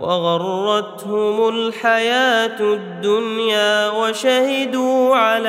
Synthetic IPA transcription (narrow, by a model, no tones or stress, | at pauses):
wɑɣɑrˤːɑt̪hʊmʊlħajaːt̪d̪ːʊnjaːwaʃahɪd̪uːʕala